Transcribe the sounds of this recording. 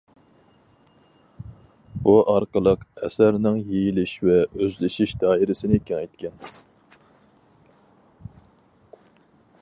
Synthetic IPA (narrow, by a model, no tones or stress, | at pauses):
b̥uʔɑɾqəlˠəqɛsæɾnɪŋjejilɪʃvɛøzlɪʃiʃd̪ɑːiɾɪsɪnɪkʲiŋɛjt̪̚kʲʰɛn